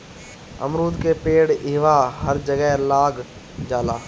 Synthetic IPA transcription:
ɐ̰mɾuːd̪kepeːɽɪːʋahɐɾd͡ʒɐɡəɦlaːɡ | d͡ʒaːla̰ː

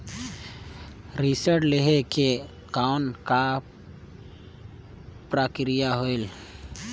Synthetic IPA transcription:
ɾisəɾʈleɦeke | kawnka | pɾakɾijaɦoel

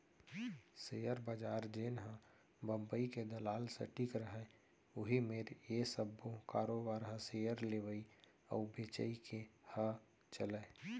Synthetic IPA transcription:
sejəɾbaːd͡ʒaːɾd͡ʒeːnɦə̃ | bə̃mbəiked̪əlaːlsə̰ʈikɾəɦɛ | oɦimeɾesəbokaːɾobaɾɦəsejəɾleʋəi | ɔ̰ʊbet͡ʃə̰ikehə | t͡ʃələ

